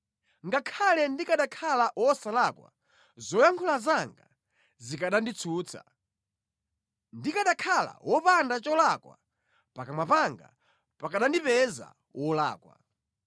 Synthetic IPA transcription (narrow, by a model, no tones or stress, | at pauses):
ŋɡakʰalɛndikaɗakʰalaʔwɔsalakwa̰ | zɔjaŋkʰulazaŋɡa | zikaɗandit͡sʰuːt͡sʰa̰ | ndikaɗakʰala̰wɔpandat͡ʃɔlakwa̰ | pakamapaŋɡa̰ | pakaɗandipɛza̰ | wʔɔla̰ːkwa̰